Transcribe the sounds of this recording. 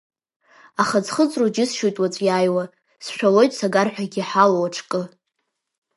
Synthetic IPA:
aχad͡zχət͡sʼrod͡ʒɪsʃojtʼwat͡sʷʼjajwa | sʃᶣalo̞jtʼsaɡarħʷᶣaɡʲiħalowaʈ͡ʂʰkʼɨ

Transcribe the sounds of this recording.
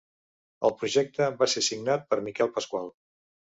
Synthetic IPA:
əlˠpɾuʒɛk̚t̪əβasesiɡnat̪̚pəɾmikɛlˠpəskwalˠ

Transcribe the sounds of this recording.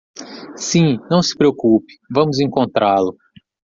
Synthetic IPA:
sĩnɐ̃w̃sɪ̥pɾeokupɪ̥vɐ̃mʊzẽkõnt̪ɾalʊ

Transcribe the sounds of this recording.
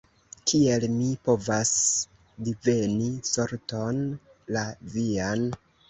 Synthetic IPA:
kʰie̞lmipo̞vas | dive̞niso̞ɾto̞n | lavian

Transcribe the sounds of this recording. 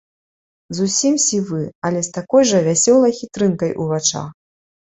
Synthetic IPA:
zusʲimsʲivɨɐlʲɛst̪akɔjʐɐvʲasʲɔlˠɐjxʲit̪ɾɨnkɐjʔuvat͡ʂa̰

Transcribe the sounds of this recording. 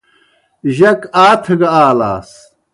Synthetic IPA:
ʑɐkaːt̪ʰɐɡɐaːla̰ːs

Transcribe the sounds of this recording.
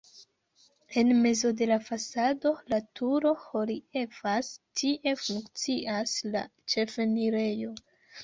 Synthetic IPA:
e̞nme̞zo̞de̞lafasado̞latʰuɾo̞ho̞lie̞vastʰiʔe̞fuŋkt͡siasla̰t͡ʃe̞feniɾe̞jo̞

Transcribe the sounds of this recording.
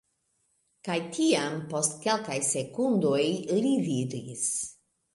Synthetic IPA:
kajt̪ʰiampo̞st̪ke̞lkajse̞kund̪ojɾividis

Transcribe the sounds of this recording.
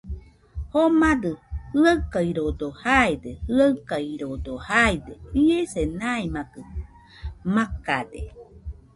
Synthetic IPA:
homad̪ɯhɯakaiɾod̪ohaed̪ehɯakaiɾod̪ohaed̪eiesenaemakɯ | makad̪ḛ

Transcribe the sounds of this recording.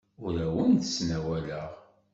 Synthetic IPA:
ʊɾæwənθəsnæwæləʁ

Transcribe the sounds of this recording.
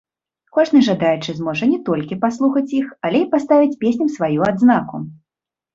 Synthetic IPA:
kɔʐnɨʐad̪ajɛt͡ʂɨzmɔʐɐnʲɛt̪ɔlʲkʲipaslˠuxɐt͡sʲjixalʲɛipast̪avʲit͡sʲpʲesʲnʲɐmsvajuad̪znakṵ

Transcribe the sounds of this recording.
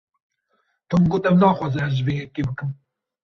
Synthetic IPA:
t̪ʰɨmɡot̪ɛmnɑːxʷɑːzɛhɛʒvejɛkebɨkɨm

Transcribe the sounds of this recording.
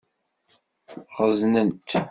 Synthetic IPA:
ʁəznənt̪

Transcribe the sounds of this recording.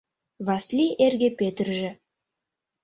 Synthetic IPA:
vaslʲiʔerɡʲepʲet̪rʒɘ

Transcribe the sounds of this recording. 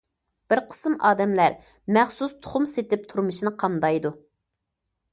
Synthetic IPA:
b̥ɪɾqʰə̥sɨmʔɑːd̪ɛmlæɾ | mæχsust̪ʰʊ̥χʊmset̪ɪp̚t̪ʰuɾmɨʃinɨqʰɑmd̪ɑjd̪u

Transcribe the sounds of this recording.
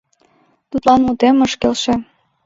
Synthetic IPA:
t̪ut̪lɑnmut̪eməʃkelʃĕ

